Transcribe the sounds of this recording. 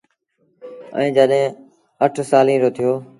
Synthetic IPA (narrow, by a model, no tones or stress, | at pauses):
ə̰ĩːd͡ʒəɗɦẽː | əʈʰsaːlĩːɾoːt̪ʰɪjoː